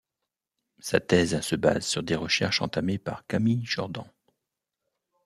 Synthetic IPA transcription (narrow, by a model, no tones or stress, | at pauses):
sa̰t̪ɛzsəba̰zsyʁd̪eʁəʃɛʁʃɑ̰̃t̪amepaʁkamiʃɔʁd̪ɑ̰̃